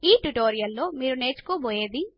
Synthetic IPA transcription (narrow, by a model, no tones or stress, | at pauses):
iːʈuʈoːɾijɐlːo̞ːmiːɾune̞ːt͡ʃu̥koːboːjeːd̪i